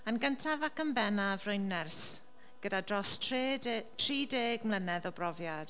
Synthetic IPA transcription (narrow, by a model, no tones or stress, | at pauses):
ənɡəntʰavakəmbɛnavrʊjnːɛrs | ɡ̥ədadrɔstʰedtʰriːdeːɡmlənɛðɔbrɔvjad̥